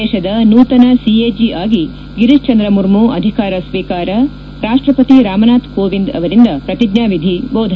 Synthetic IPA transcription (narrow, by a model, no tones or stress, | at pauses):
ɛːʃɐd̪ɐnuːt̪ɐnɐsieːd͡ʒiʔaːɡi | ɡiɾiʃt͡ʃɐnd̪ɾɐmuɾmuʔɐ̰d̪ʱikaːɾɐsʋiːkaːɾɐ | ɾaːʂʈɾɐpɐt̪iɾaːmɐnaːt̪koːʋind̪ɐ̰ʋɐɾind̪ɐpɾɐt̪iɡɲaːʋid̪ʱiboːd̪ʱ